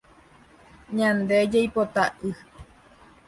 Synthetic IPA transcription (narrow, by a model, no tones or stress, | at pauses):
ɲãnd̪e̞d͡ʒejpot̪aʔɨ